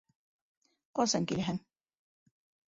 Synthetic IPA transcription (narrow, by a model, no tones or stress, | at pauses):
qɒsɑŋkilæɦæŋ